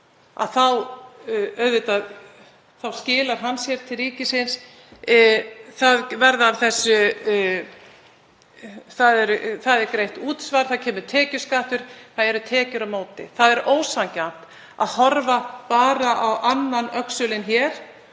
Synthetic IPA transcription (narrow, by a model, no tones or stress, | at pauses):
a̰ðθaw | œɥðvɪt̪að | θawscɪːlaɾ̥ɦansjɛɾ̥t̪ʰɪlriːcɪsɪns | θaðvɛɾðavθɛsːʏ | θaðɛɾθaðɛɾkɾejht̪uːt̪svaɾ̥θacʰɛːmʏɾt̪ʰɛːcʏ̥skaht̪ʏɾ̥θaðɛɾʏt̪ʰɛːcʏɾawmoːwt̪ɪ̰θaðɛɾoːwsaŋcan̥t̪ | a̰ðhɔɾvapaːɾaʔawʔanːanœksʏlɪnçɛːɾ̥